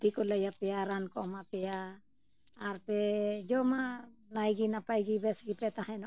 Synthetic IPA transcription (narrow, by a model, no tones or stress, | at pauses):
d̪ikɔləjapɛjaɾankɔ̰mapɛjaː | ɾpɛd͡ʒɔmalajɡinapajɡibɛsɡipɛt̪aɦɛn